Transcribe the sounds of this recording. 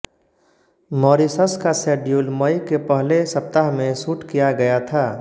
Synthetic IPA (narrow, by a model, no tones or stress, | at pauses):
mɔːɾisəskasɛːɖjuːlməjkepəɦlesəp̚t̪aɦmẽsuːʈkijaɡɐjat̪ʰaː